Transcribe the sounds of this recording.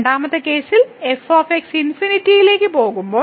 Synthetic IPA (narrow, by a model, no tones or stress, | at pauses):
ɳɖaːmɐt̪ːe̞ke̞ːsile̞foːfeksinfinitːijile̞ːkʲːɨpo̞ːɣumbo̞ː